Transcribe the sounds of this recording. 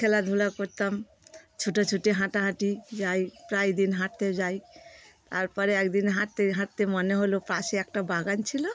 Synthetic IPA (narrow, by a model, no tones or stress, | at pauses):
kʰelad̪ʱulakoɾt̪am | t͡ʃʰuʈɔt͡ʃʰuʈiɦãʈaɦãʈid͡ʒajpɾajd̪inɦãʈ̚t̪ed͡ʒajt̪aɾpəɾeekd̪inɦãʈ̚t̪eɦãʈ̚t̪emɔneɦolopɾaseek̚ʈabaɡant͡ʃʰilo